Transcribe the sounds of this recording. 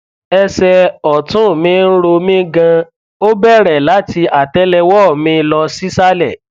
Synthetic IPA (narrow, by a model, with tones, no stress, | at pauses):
ɛ˧sɛ˧ɔ˨tũ˦˨mĩ˦n̩˦ɾo˧mĩ˦ɡã˧ | o˦bɛ˦˨ɾɛ˨la˨˦ti˧a˨tɛ˦lɛ˧wɔ˦˨mĩ˧˦˧lɔ˧si˦sa˦lɛ˦˨